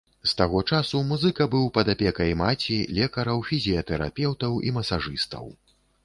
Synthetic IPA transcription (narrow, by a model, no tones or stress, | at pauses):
st̪aɣɔt͡ʂasumuzɨkɐbɨwpɐd̪apʲɛkɐjmat͡sʲilʲɛkɐɾɐwfʲizʲijɐt̪ɛɾa̰pʲɛwt̪ɐwḭmɐsaʐɨst̪ɐ̰w